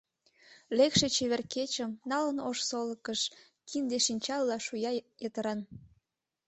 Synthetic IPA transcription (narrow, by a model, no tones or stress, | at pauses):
lekʃe̽t͡ɕeβerket͡ɕəmnɑlənoʃsoləkəʃ | kʰind̪eʃinʲt͡ɕɑlːɑʃujɑjət̪əɾɑn